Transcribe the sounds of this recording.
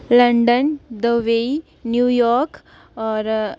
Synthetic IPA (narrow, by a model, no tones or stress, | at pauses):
lə̃ɳɖənd̪əʋei | njuːjɔɾk | ɔɾ